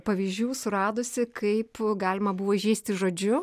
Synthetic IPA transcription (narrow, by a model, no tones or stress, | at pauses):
pɐʋʲiːzʲd͡ʒʲuːsʊɾɑːd̪oːsʲɪkɐɪpɡɑːlʲɪmɐbʊʋoːɪʒʲɛɪsʲt̪ʲɪʒoːd͡ʒʲʊ